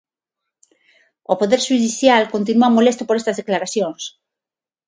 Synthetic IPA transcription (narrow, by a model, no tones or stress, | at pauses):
opoðeɾʃuðiθjalkont̪̬inuamolest̪opoɾest̪azðeklaɾaθjõŋs